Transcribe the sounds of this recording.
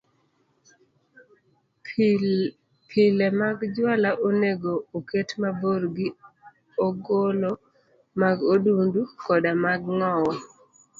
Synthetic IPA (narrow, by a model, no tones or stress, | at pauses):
pʰɪlemaɡd͡ʒwalaʔoneɡooketmaboɾɡi | oɡolo | maɡodundukɔdamaɡŋɔwɔ